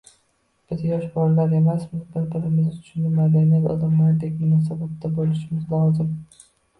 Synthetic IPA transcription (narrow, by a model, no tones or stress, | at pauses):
b̥ɪzjɒʃbɒɾlaɾe̞masmɪzbɪɾbɪɾɪmɪznɪt̪ʰʊ̥ʃnɪmad̪anaɾɒ̰lɪmlaɾd̪ek̚ʲmʊnɒs̬abat̪ːabolɪʃɪmɪzlɒzɪm